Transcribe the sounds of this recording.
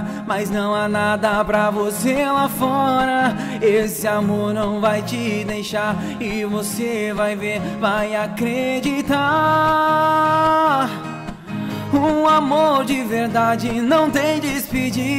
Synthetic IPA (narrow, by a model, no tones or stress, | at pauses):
maznɐ̃w̃anad̪ɐpɾɐvoselafɔɾɐ | esɪamoɾnɐ̃w̃vajt͡ʃɪd̪ejʃaɾ | ɪvosevajveɾvajakɾed͡ʒit̪a | ũamoɾd͡ʒɪveɾd̪ad͡ʒɪnɐ̃w̃t̪ẽj̃d̪ɪspɪd͡ʒi